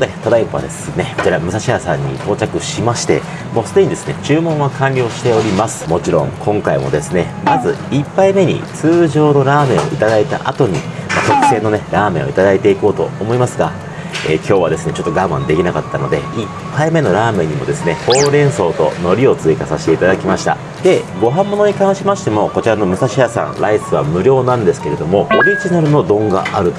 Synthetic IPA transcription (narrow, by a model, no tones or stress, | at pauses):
d̪et̪od̪aipɯβa̰d̪e̞sɨne̞kot͡ɕiɾamɯ̟saɕihasã̰ɲ̟ːḭt̪o̞ːt͡ɕakɯ̟ɕimaɕi̥t̪e̞̰ | mo̞ːsɨd̪e̞ɲ̟id̪e̞sɨne̞t͡ɕɨːmõ̞ɰ̃βakʰãnʲɾʲo̞ːɕi̥t̪e̞o̞ɾʲimasɨ̥mo̞t͡ɕiɾõ̞̰ŋkʰõ̞ŋkaimo̞̰d̪e̞sɨne̞mazɨipːaime̞ɲ̟ḭt͡sɨːʑo̞ːno̞ɾaːmẽ̞ɰ̃o̰it̪ad̪ait̪a̰ʔat̪o̞ɲ̟imat̪o̞kɯ̟̥sẽ̞nːo̞ne̞ɾaːmẽ̞ʔo̰i̥t̪ad̪ait̪e̞iko̞ːt̪o̞ːmo̞imasɨɡa | ḛːkʲo̞ːβad̪e̞sɨne̞t͡ɕo̞t̪ːo̞ɡamã̰nd̪e̞kʲinakat̪ːano̞d̪e̞̰ipʰːaime̞no̞ɾaːmẽ̞ɲ̟ːimo̞d̪e̞sɨne̞ho̞ːɾẽ̞ɰ̃so̞ːt̪o̞̰no̞ɾʲio̞t͡sɨikasaɕi̥t̪e̞it̪ad̪akʲimaɕi̥t̪a̰ | d̪̥e̞ɡo̞ɦãmːo̞no̞ɲ̟ikãɰ̃ɕimaɕi̥t̪e̞mo̞ko̞t͡ɕiɾano̞mɯ̟saɕijasã̰nɾʔaisɨβa̰mɯ̟ɾʲo̞ːnãnd̪e̞sɨ̥ke̞ɾe̞d̪o̞mo̞hoɾʲiʑinaɾɯ̟no̞d̪õ̞ŋɡa̰ʔaɾɯ̟t̪o